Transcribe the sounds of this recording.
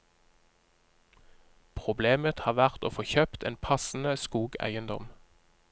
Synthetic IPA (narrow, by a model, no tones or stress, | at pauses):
pʰʁʊbleːmət̪hɑːʁʋæʁt̪o̰ːfoːçøːpt̪ḛːnpʰɑsn̩əskuːɡæ̰ɪənd̪ɔ̰m